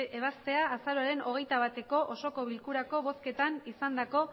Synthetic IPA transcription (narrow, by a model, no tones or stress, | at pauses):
eβ̞ast̪e̞aːsaɾoaɾe̞no̞ɣ̞e̞jt̪aβ̞at̪e̞ko̞ʔoso̞ko̞βilkuɾako̞βo̞ske̞t̪anisand̪ako̞